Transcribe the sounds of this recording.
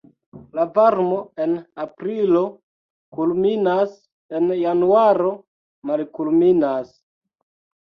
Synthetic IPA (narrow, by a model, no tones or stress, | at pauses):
lavaɾmo̞e̞napɾilo̞ | kulminas | enjanuaɾo̞ | malkulminas